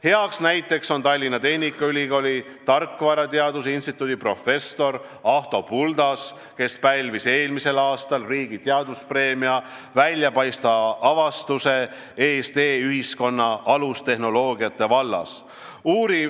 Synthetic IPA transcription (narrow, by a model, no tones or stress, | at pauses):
he̞ɑksnæjt̪ːˑe̞kso̞nt̪ɑlʲːinɑt̪e̞hnʲikːˑɑylʲiko̞lʲi | t̪ɑrkːˑvɑɾɑt̪eɑd̪usinst̪it̪ːˑuːd̪̥ipro̞fe̞st̪o̞ɾɑht̪o̞puld̪ɑs | ke̞spælvise̞ːlmise̞lɑːst̪ɑlriːɡ̥it̪eɑd̪̥uspre̞ːmiɑ | vælʲjɑpɑjst̪ɑɑvɑst̪use̞ | eːst̪eːyhisko̞nːɑɑlust̪e̞hno̞lo̞ːɡ̥iɑt̪ːˑe̞vɑlːɑ̰s | uːɾi